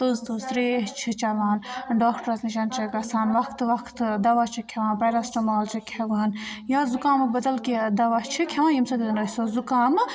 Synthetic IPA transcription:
t̪uzt̪uzt̪ɾeːɦt͡ʃʰit͡ʃɐʋaːnɖoːkʈɐɾɐsniʃ̬ant͡ʃɐkɐsaːnʋɐkʰt̪ʋɐkʰt̪d̪ɐʋat͡ʃʰikʲʰɐʋãːnpɐjɾɐsʈɐmaːlt͡ʃʰikʲʰɐʋaːnjazukaːmɐbɐd̪ɐlkid̪ɐʋat͡ʃʰikʲʰɐʋaːnjimsɐd̪id̪ɐnoːsozukaːm

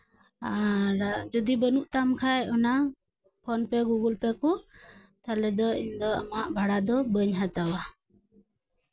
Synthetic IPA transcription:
aɾad͡ʒɔd̪ibənuʔt̪amkʰajɔna | pʰɔnpɛɡuɡulpɛku | t̪alɛd̪ɔind̪ɔa̰maʔbʱaɽad̪ɔbəɲɦat̪awa

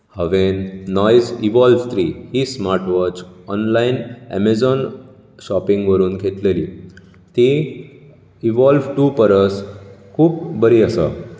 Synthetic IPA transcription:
həʋenːɔjd͡ziʋɔlʋt̪ʰɾiːhiːsmaɾʈʋɔt͡ɕɔnlainɛ̰med͡zɔn | ɕɔpiŋɡʋəɾuːnkʰet̪leliː | t̪i | iʋɔlʋʈupəɾəskʰuːpbəɾiəsə̰

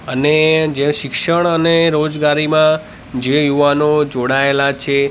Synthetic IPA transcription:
əned͡ʒeʃɪkʃəɳ̃əneɾod͡ʒɡaɾimã | d͡ʒejuʋanod͡ʒoɽaelat͡ʃʰe

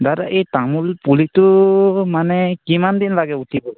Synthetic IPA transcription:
daɾaʔɛtamulpulitɔmanɛkimand̪inlaɡɛutibɔ

